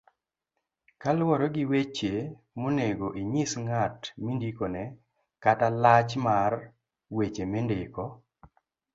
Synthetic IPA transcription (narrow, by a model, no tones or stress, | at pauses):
kalwɔɾɔɡiwet͡ʃe | moneɡoʔiɲisŋatmindikonɛ | katalat͡ʃmar | wet͡ʃemendekɔ